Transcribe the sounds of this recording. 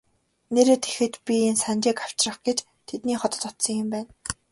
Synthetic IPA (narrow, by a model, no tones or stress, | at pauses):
neɾeːt̪ʰe̥xɘ̆t̪pʲiensant͡ɕɪːkaw̥t͡ɕrə̆χɡ̥et͡ɕ | t̪ʰet̪niːχɔt̪ɞ̆t̪ɔt̪sɞ̆ŋjʊ̆mpæːn